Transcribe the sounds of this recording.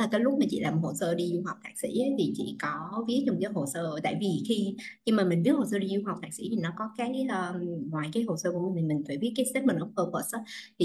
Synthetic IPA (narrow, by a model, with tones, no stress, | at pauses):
aː˨˩kaː˨˦jlʊ˦˥t̚maː˨˩t͡ɕḭ˧˨laː˨˩m̚˨˩ho˨˩səː˧ɗi˧ju˧ha˨˩k͡p̚t̪ʰaː˧˩k̚sḭ˧˥ə˨˦jt̪ʰi˨˩t͡ɕḭ˧˨kɔ˨˦vi˨˦əɲʊ˨˩ŋ͡mt͡ɕɔ˨˦ɦo˨˩səː˧t̪a̰ː˧˨jvi˨˩xi˧ɲɨ˧maː˨˩mï˨˩ŋ̟ɗɨ˦˥ho˨˩s̬əː˧ɗi˧zu˧ŋ͡mɦa˨˩wk͡p̚t̪aː˧˥k̚sḭ˧˥t̪ʰi˨˩nɔ˨˦kɔ˨˦kaː˨˦˥kəː˧ŋwaː˨˩jkaː˨˦jɦo˨˩səː˧ku˧˩əmi˨mi̟˨˩mi˨˩ŋ̟faː˧˩ɓi˦˥ət̚kaː˨˦jse˦˥mə˨˩nʔə˨˧˦pəː˧pəː˨˩sʔaː˨˦i˨˩